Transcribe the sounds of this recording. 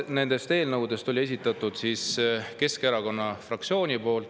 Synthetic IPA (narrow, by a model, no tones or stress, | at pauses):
ne̞nd̪̥e̞st̪e̞ːlnɤwd̪̥e̞st̪o̞lie̞sit̪ːˑɑt̪ːˑud̪̥siːske̞skeɾɑko̞nːɑfrɑk̪̚sio̞ːnʲipo̞ːlt̪